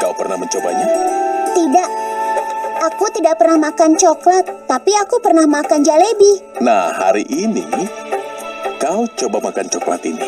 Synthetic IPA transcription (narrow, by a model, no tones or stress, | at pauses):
kawpərnahməɲt͡ʃoba̰ɲat̪idaʔ | akut̪idaʔ̚pərnahmakant͡ʃoklat̪ːapiakupərnahmakand͡ʒalebihnaha̰ɾiʔinḭ | kawt͡ʃobamakant͡ʃokla̰t̪inḭ